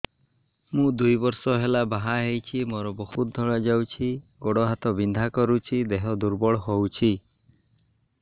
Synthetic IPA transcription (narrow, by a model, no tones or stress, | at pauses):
mũd̪ujbɔɾsɔɦelabaɦaɦejt͡ʃʰimɔɾɔbɔɦut̪̚d̪ʱɔɭad͡ʒawt͡ʃʰiɡɔɽɔɦat̪ɔbind̪ʱakɔɾut͡ʃʰid̪eɦɔd̪uɾbɔɭɔɦowt͡ʃʰi